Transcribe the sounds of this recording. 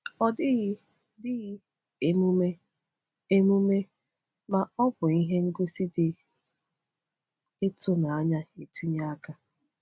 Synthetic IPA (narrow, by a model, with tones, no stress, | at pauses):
ɔ˦dɪ˦ɣɪ˦ | dɪ˦ɣɪ˦ | e˨mu˦me˦ | e˦mu˦me˦ | ma˨ɔ˦bʊ˨i˦ɦe˦ŋ̩˦ɡo˦si˦dɪ˦ | ɪ˦tʊ˦na˨a˦ɲa˦e˨tʰi˦ɲ˦a˦ka˦